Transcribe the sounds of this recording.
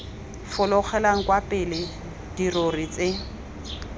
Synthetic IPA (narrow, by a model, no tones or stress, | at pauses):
fʊlɔχɛlaŋ̩kwapʼɪlɪ | d̥irorɪt͡sɪ